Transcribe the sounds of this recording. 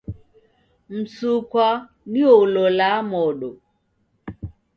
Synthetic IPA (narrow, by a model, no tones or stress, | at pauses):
m̩sukwa | niolɔlamɔɗo